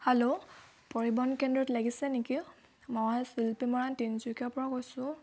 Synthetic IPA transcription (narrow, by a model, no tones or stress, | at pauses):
helo | poɹibɔnkɛndɹɔtlaɡisɛneki | mɔjsilpimɔɹantinzukapɔɹakojsʊ̃